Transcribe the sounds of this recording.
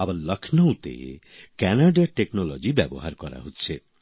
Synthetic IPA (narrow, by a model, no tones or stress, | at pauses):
abaɾlʌkʰnowt̪ḛ | kɛnaɖaʈeknolod͡ʒibɛboɦaɾkɔɾa̰ɦotːt͡ʃʰe